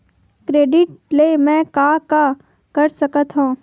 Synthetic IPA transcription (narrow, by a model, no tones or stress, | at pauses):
kɾeːɖɪʈlemɛ̃ːkaka | kɐɾsɐkət̪ɦũː